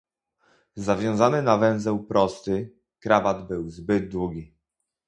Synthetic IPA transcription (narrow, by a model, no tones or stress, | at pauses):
zavʲjɔ̃w̃zanɘnavɛ̃w̃zɛwpɾɔst̪ɘ | kɾavad̪bɘwzbɘd̪̚d̪wuɡʲi